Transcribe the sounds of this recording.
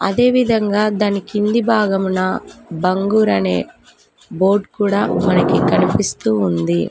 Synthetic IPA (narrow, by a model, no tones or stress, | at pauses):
ɐ̰d̪e̞ːʋid̪ʱɐŋɡaːd̪aːnikind̪ibʱaːɡɐmunɐbɐŋɡuːɾɐne̞ː | bo̞ːɾɖkuːɽaːmɐnɐkikɐnipist̪uːnd̪i